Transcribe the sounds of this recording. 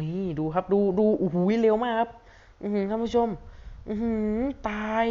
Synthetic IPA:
i˧˥˩duː˧kʰa˦˥p̚duː˧duː˧ʔu˧˩ɦu˨˩˦jleː˧wmaː˥˩kʰa˦˥p̚ | ʔɯː˧˩ɯ˧˦kʰa˧˥˩pʰu˥t͡ɕʰo˧mʔɯː˧hɯ˧˥˦t̪aː˧j

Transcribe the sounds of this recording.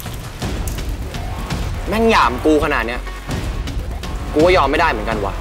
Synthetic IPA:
na˥˩njaː˩˦mkuː˧kʰa˧naː˨˩t̪̚ni˦˥ɐ | kuː˧waː˥˩jɔː˧mːa˥˩jda˥˩jmɯ˩˦nka˧nwa̰ː˨˩

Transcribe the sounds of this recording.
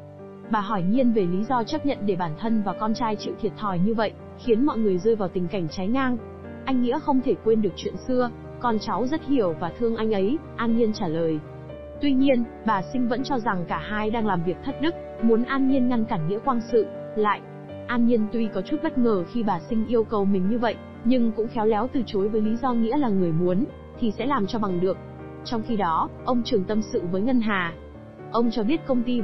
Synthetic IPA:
ɓaː˨˩ɦɔ˧˩jɲi˧ənve˨˩li˨˦zɔ˧t͡ɕa˦˥p̚ɲə̰˧˨nɗe˧˩ɓaː˧˩nt̪ʰə˧nvaː˨˩kɔ˧nt͡ɕaː˧jt͡ɕḭ˧˨wt̪ʰi˨˩ət̚t̪ʰɔ˧˩jɲɨ˧və̰˧˨jʔ | xi˨˦ənmɔ̰˧˨jŋɨ˨˩əjzəː˧jvaː˨˩wt̪ï˨˩ŋ̟ka˧˩jŋ̟t͡ɕa˨˦jŋaː˧ŋ | ʔa˧jŋ̟ːḭ˧˥əxə˧wŋ͡mt̪ʰe˧˩kwe˧nɗɨ˨˩ək̚t͡ɕwḭ˧˨ənsɨ˧ə | kɔ˧nt͡ɕa˨˦wzə˦˥t̚hi˧˩əwvaː˨˩t̪ʰɨ˧əŋʔa˧jŋ̟ʔə˨˦jʔaː˧nɲi˧ənt͡ɕaː˧˩ləː˨˩j | t̪wi˧ɲi˧ən | ɓaː˨˩sï˧ŋ̟və̰˧˥nt͡ɕɔ˧za˨˩ŋkaː˧˩haː˧jɗaː˧ŋlaː˨˩mvi˨˩ək̚t̪ʰə˦˥t̚ɗɨ˦˥k̚ | mu˨˦ənʔaː˧nɲi˧ənŋa˧nkaː˧˩nŋḭ˧˥əkwaː˧nsɨ̰˧˨ | la̰ː˧˨jʔ | ʔaː˧nɲi˧ənt̪wi˧kɔ˨˦t͡ɕu˦˥t̚ɓə˦˥t̚ŋəː˨˩xi˧ɓaː˨˩sï˧ŋ̟ʔi˧əwkə˨˩wmï̟˨˩ɲɨ˧və̰˧˨jʔ | ɲɨ˧ŋkʊ̰˧˥ŋ͡mxɛ˨˦wlɛ˨˦wt̪ɨ˨˩t͡ɕo˨˦jvəː˨˦jli˨˦zɔ˧ŋḭ˧˥laː˨˩ŋɨ˨˩əjmu˨˦ən | t̪ʰi˨˩sɛ̰˧˥laː˨˩mt͡ɕɔ˧ɓa˨˩ŋɗɨ˨˩ək̚ | t͡ɕɔ˧wŋ͡mxi˧ɗɔ˨˦ʔə˧wŋ͡mt͡ɕɨ˨˩əŋt̪ə˧msɨ̰˧˨vəː˨˦jŋə˧nɦaː˨˩ | ʔə˧wŋ͡mt͡ɕɔ˧ɓi˦˥ət̚kə˧wŋ͡mt̪i˧

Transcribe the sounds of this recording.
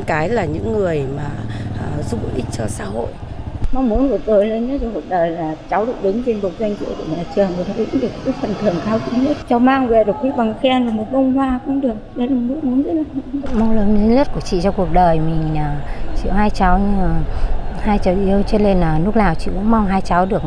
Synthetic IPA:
nkaː˨˦jlaː˨˩ɲɨ̰˧˥ŋːɨ˨˩əjmaː˨˩˨zu˦˧˥ɓo̰˨˧˨ʔï˦˥k̟̚t͡ɕɔ˧sa̰ː˧˥ho̰˧˨j | ma˧wŋ͡mmu˨˦nvɨ˨˩ət̪o˨˩jle˧nɲə˦˥t͡ɕku˨˩ək̚ɗəː˨˩jlaː˨˩t͡ɕa˨˦wɗɨ˨˩ək̚ɗɨ˨˦ŋt͡ɕe˧nɓo˨˩k̚za˧jŋ̟t͡ɕḭ˧əwku˧˩ə˨ɲa̰ː˨˩t͡ɕɨ˨˩əŋvə˨˩t̪ʰə˧˩ḭ˧˥ŋɗɨ˨˩kki˦k̚fə˨˩nt̪ʰɨ˨˩əŋkaː˧wt͡ɕḭ˧˦ɲə˦˥t̚t͡ɕɔ˨˧˦wmaː˧ŋvɛ˨˧˩ɗɨ˨ək̚i˧˦˥ɓa˨˩ŋxɛ˧nlɨ˨˩mo˨˩t̚mə˧wŋ͡mhwaː˧kʊ̰˧˥ŋ͡mɗɨ˨˩ək̚ɗə˧˦jlaː˨˩mɨ˦˥mu˨˦nzə˦˥laː˧˩˧kʊ˧˥ŋ͡mma˧wləː˨˦nli˨˦ɲə˦˥t̚ku˧˩ət͡ɕḭ˧˨t͡ɕɔ˧ku˨˩ək̚ɗəː˨˩jmi˨˩ŋ̟aː˨˩t͡ɕḭ˧˨əwɦaː˧jt͡ɕa˨˦wɲɨ˧aː˨˩haː˧jt͡ɕa˨˦wʔi˧əwt͡ɕɨ˦˥le˧naː˨˩nu˦˥k̚laː˨˩wt͡ɕḭ˧˨kʊ̰˧˥ŋ͡mma˧wŋ͡mɦaː˧jt͡ɕa˨˦wɗɨ˨˩ək̚

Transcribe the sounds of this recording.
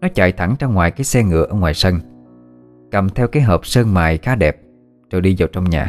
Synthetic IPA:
nɔ˨˦t͡ɕa̰ː˧˨jt̪ʰa˧˩ŋt͡ɕa˧wŋ͡mŋwaː˨˩jkaː˨˦jsɛ˧ŋɨ̰˧˨əʔəː˧˩ŋwaː˨˩jsə˧n | kə˨˩mt̪ʰɛ˧wkaː˨˦jɦəː˨˩p̚səː˧nmaː˨˩jxaː˨˦ɗɛ˨˩p̚ | t͡ɕo˨˩jɗi˧zə˨˩wt͡ɕɔ˧wŋ͡mɲaː˨˩

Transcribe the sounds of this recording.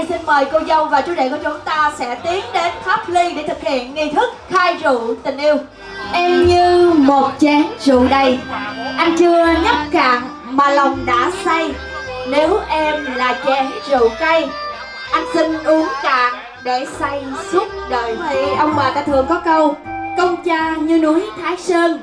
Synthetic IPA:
ʔjnsi˧nməː˨˩jkə˧wzə˧wŋ͡mvaː˨˩t͡ɕu˧˦ɗḛ˧˨ku˧˩ət͡ɕʊ˨˦ŋ͡mt̪aː˧sɛ̰˧˥t̪i˨˦əŋɗe˨˦nfaː˦˥p̚li˧ɗe˧˩t̪ʰɨ˨˩k̚hḭ˧˨ənŋi˧t̪ʰɨ˦˥k̚xaː˧jzṵ˧˨t̪ï˨˩ŋ̟ʔi˧əw | ʔɛ˧mɲɨ˧mo˨˩t̚t͡ɕɛ˨˦nzṵ˧˨ɗə˧˩jʔa˧jŋ̟t͡ɕɨ˧əɲə˦˥p̚kaː˨˩ŋ | maː˨˩la˨˩wŋ͡mɗa̰ː˧˥sa˧j | ne˨˦wʔɛ˧mlaː˨˩t͡ɕɛ˨˩nzṵ˧˨kə˧j | ʔa˧jŋ̟sï˧ŋʔu˨˦əŋkaː˧˨˩ŋ | ɗəː˧˩jsa˧jsu˦˥t̚ɗəː˨˩jt̪ʰi˧˨˩ʔə˧wŋ͡mɓaː˨˩t̪aː˧t̪ʰɨ˨˩əŋkɔ˨˦kə˧wkə˧wŋ͡mt͡ɕaː˧ɲɨ˧nu˨˦jt̪ʰaː˨˦jsəː˧n

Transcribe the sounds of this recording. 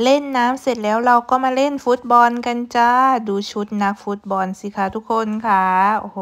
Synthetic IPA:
le˥˩nːaː˦˥mse˨˩t̪̚lɛː˦˥wɾa˧wkɔː˥˩maː˧le˥˩˨nfu˦˥t̪̚bɔ˧nka˧nt͡ɕaː˧˩duː˧t͡ɕʰu˦˥t̪̚na˦˥k̚fu˦˥t̪̚bɔ˧nsi˧˦kʰa˧˩t̪ʰu˦˥k̚ʰːo˧nkʰa˦˧˥o˧h

